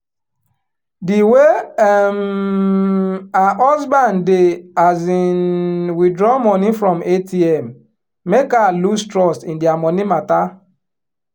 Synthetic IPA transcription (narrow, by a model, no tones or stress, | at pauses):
diwem | aʔɔzbandeazinwidɾɔmɔnifɾɔmetʰiɛmː | ekalustɾɔstindiamɔnimata